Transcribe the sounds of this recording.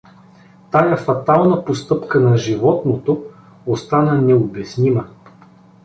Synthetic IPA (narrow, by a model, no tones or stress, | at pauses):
t̪ajɐfɐt̪alˠnɐpost̪ɤpkənɐʒivɔt̪not̪o | ost̪anənɛobɛsnimɐ